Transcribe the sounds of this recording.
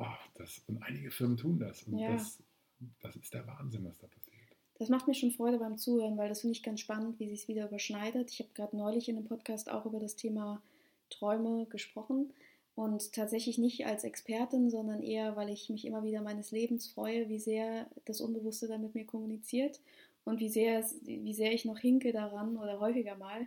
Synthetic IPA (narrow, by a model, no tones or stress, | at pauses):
ʔɔːd̥asʊntʔa̰ɪnɪɡəfɪɐməntʰuːnda̰sʊnjaːs | d̥asɪstd̥eːɐva̰ːnzɪnvasd̥aːpʰḁsiːɐt | d̥asmaχtmiːɐʃoːnfʁ̥ɔʏɾəbaɪmt͡suːhøːʁənvaɪldasfɪndəɪçɡ̥ansʃpanəntv̥iːzɪçsv̥iːdɐyːbɐʃnaɪdətɪ̥çhaːbəɡ̥ʁaːdənɔʏlɪçɪndeːmpʰɔtkʰaːstʔa̰ʊxʔyːbɐɾastʰeːma | tʁ̥ɔʏməɡəʃpʁ̥ɔχn̩ | ʔʊnttʰːaːtz̥ɛçlɪçnɪçta̰lsɛ̰kspʰɛɐtɪnzɔndɐnʔḛːɐvaɪlɪçmɪçʔɪ̰mɐviːdɐmaɪnəsleːbm̩sfʁ̥ɔ̰ʏəviːzeːɐd̥asʔʊ̰nbəvʊstədanmɪtmiːɐkʰɔmunit͡siːɐt | ʔʊntv̥iːzeːɐsviːzeːɐɪçnɔχhɪŋkədaʁanʔoːɾɐɦɔʏfɪɡɐmaːl